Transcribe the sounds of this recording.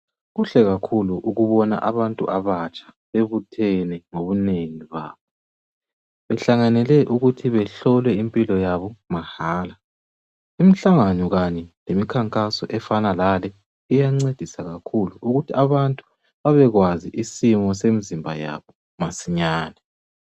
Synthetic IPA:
ɣuɬɛɣakʰuluʔuɣuβɔna̰ʔaβantʼṵʔaβat͡ʃʼḁ | βeβutʰɛnɛŋoβuneŋiβa̰ːβɔ | βɛɬaŋanɛlɛʔuɣutʰiβɛɬɔlwɛimpʼilɔjaβɔmahaːla | imiɬaŋanɔɣaɲɛlemikʰaŋkʼasɔʔɛfanalalɛ | ijaŋ͡ǀed̥ʱisaɣakʰuluʔuɣutʰiaβantʼu̥ | βaβɛɣwaziʔisimɔs̬emizimbʱa̰ja̰βɔ | masiɲaːnɛ

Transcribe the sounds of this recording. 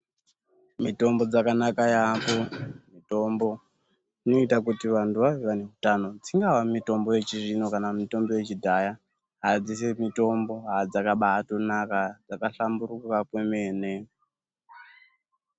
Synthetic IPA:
mito̞mbo̞d͡zakanakajapomito̞mbo̞ | ino̞itakutiʋantʰuʋaʋeʋane̞ɦutano̞d͡ziŋɡaʋamito̞mbo̞je̞t͡ʃiʐino̞kanamito̞mbo̞je̞t͡ʃidʱaja | ɦad͡zis̬emito̞mbo̞ɦad͡zakaɓaato̞nakad͡zakaɬambuɾukakwemeːne̞

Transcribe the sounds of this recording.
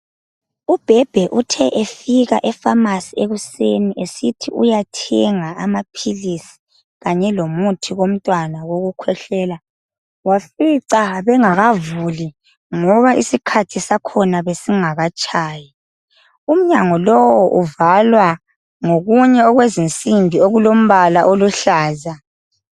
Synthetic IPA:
ub̥ʱɛb̥ʱɛʔutʰɛʔefiɣa̰ʔɛfamasieɣuseniʔesitʰḭʔṵjatʰɛŋaamapʰilisi̥ | ɣaɲɛlomutʰiɣom̩tʼwanaɣoɣukʰwɛɬɛːla | wafiǀaβɛŋaɣavuli | ŋɔβaʔisikʰatʰisakʰɔnaβesiŋaɣat͡ʃʼaːja | um̩ɲaŋɔlɔwɔʔuvalwa | ŋoɣuɲɛɔɣwezint͡sʼimbʱioɣulom̩βalaʔoluɬaːza

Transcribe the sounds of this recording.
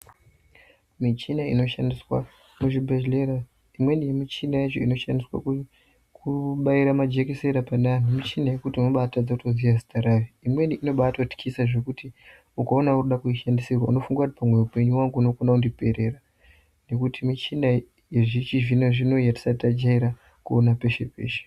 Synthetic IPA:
mit͡ʃinaḭno̞ʃandiswa | muʐibʱeleɾa | imwe̞nijemit͡ʃinajet͡ʃo̞ino̞ʃandiswa̰ku | kʰuɓaiɾamad͡ʒe̞kese̞ɾapananimit͡ʃinaje̞kutiunoɓaːtad͡zautoziʋazi̥taɾajiimwe̞niʔino̞ɓaːtoti̥kʰisaʐe̞kuti | ukaonauruɗakuiʃandisirwaṵno̞fuŋɡakuti̥pamweupe̞ɲuwaŋɡuunokonaundipe̞ɾera | ne̞kutimit͡ʃina | jeʐit͡ʃiʒinoʐino̞ijati̥satad͡ʒaiɾa | kuonape̞ʃe̞̰pe̞̰ːʃe̥

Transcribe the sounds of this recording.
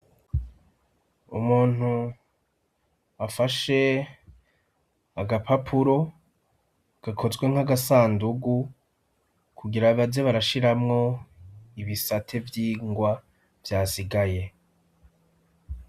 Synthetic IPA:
ṵmuːn̥hu | afaʃe̞ | aɡapʰapʰuɾo̞ | ɡ̥akʰo̞zɡwe̞ŋhaɡasaːnduɡu | kʰuɡiɾaβazeβaɾaʃiɾamŋo̞ | iβisatʰe̞vjiːŋɡwa | vjaːsiɡaje̞

